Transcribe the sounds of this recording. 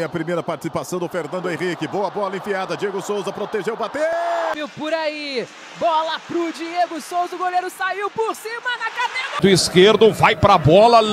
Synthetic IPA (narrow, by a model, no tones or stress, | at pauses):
ɐpɾimejɾɐpaɾt͡ʃɪ̥sipasɐ̃w̃d̪ʊfeɾnɐ̃d̪ʊẽʁikɪboɐbɔɐlɐẽfiad̪ɐd͡ʒieɡʊsowzɐpɾot̪eʒewbat̪emewpoɾai | bɔlɐpɾud͡ʒieɡʊsowzɐʊɡolejɾʊsaiwpoɾsĩmɐnɐkad̪eɾɐd̪ʊiskeɾd̪ʊvajpɾɐbɔlɐ